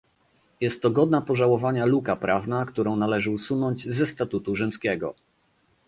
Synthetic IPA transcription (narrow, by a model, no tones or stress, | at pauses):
jɛst̪ːɔɡɔd̪napɔʐawɔvaɲalukapɾʔavnakt̪uɾɔ̃w̃nalɛʐɘusunɔɲd͡ʑzɛst̪at̪ut̪uʐɘmskʲɛɡɔ̰